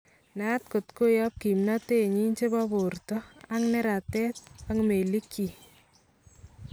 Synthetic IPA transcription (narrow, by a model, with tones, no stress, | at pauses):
na˦t̚ko˨tko˦jɔ˦p̚ki˨mnate˦˨ɲi˦nt͡ʃe˦ba˦bo˨rtɔ˦a˦ŋnɛ˦ɾa˨tɛ˦t̚a˦ŋme˨li˦kʰːi˨